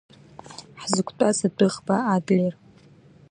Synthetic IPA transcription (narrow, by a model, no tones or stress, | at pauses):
ħzɨkʷʰtʼasadɨχbaaɡʕer